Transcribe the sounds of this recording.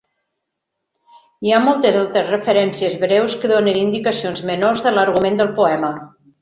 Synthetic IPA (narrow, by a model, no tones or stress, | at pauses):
iamolˠt̪əzalˠt̪ɾəzrəfəɾɛnsiəzβɾɛwskəðonənind̪ikəsionzmənorzðələɾɣumend̪əlˠpuɛmə